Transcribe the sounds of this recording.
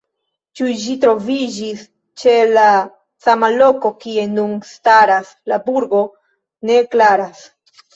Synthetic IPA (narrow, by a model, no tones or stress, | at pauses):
t͡ʃuʒitɾo̞vid͡ʒis | t͡ʃe̞la | samalo̞ko̞kie̞nunstaɾas | labuɾɡo̞ | ne̞klaɾas